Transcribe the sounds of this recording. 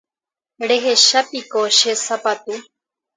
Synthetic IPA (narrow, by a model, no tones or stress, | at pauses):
ɽeɦeʃapikoʃesapat̪u